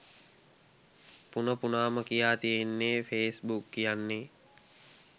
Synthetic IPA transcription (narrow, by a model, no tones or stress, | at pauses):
punəpunaːməkijaːt̪ijenːefeːsbukːijanːe